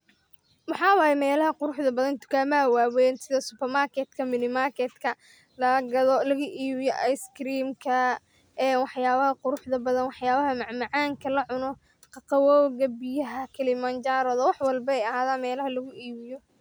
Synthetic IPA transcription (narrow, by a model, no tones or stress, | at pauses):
wɑħɑːwaːjɛmɛːlɐɦɐqʊɾʊħðɐbɐðɐnt̪ʰʊ̥kʰaːmɐɐwaːwɛnsɪðɐsʊpɛrmaːrkʰɛt̪kʰɐmɪnɪmaːrkʰɛd̪kʰɐ | lɐɡɐðɔlɐɣɐʔiːβɪjɔʔɐjskɾiːmkʰɐ | ɛːnwɑħjaːβɐhɐqʊɾʊħd̪ɐbɐðɐnwɑħjaːβɐɦɐmɑʕmɑʕɑːŋkʰɐlɐʕʊnɔ | qɑqɑwɔːɣɐbɪjɐɦɐkʰɛlɪmɐnd͡ʒaɾɔðɔwɑħwɑlbɐɛjɐhaːðaːnmɛːlɐɦɐlɐɣʊʔiːβɪjɔ